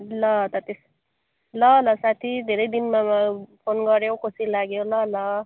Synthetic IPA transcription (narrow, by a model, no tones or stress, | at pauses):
lʌt̪ʌt̪es | lʌlʌsat̪ʰid̪ʱeɾʌjd̪inmapʰonɡʌɾjowkosilaɡjolʌlʌ